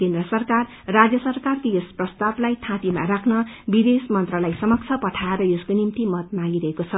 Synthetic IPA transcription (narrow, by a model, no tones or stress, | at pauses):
kend̪rʌsʌrkarːad͡zjʌsʌrkarkojosprʌst̪ablajʈʰãt̪ima̰ɾakʰnʌbid̪esmʌnt̪rʌlajsʌmʌk̚t͡sʰʌpʌʈʰaeɾʌjoskonimt̪imʌt̪̚maɡiɾʌɦekot͡sʰʌ